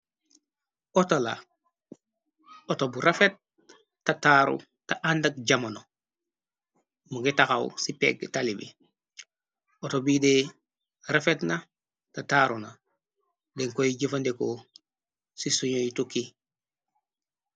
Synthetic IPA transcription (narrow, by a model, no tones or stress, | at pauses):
otola̰ | otobuɾefet̚ː | ataɾṵ | taʔandak̚ɟamono | muɡitaxa̰wsipḛɡ̚talibḭ | otobide | ɾefetna | tataɾuna | deŋkojiɟifandeko | sisuɲojituki